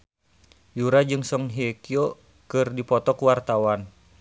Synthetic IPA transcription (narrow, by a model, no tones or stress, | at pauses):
juɾad͡ʒɨŋsɔŋɦekiɔ | kɨrdipɔt̪ɔkuwart̪awan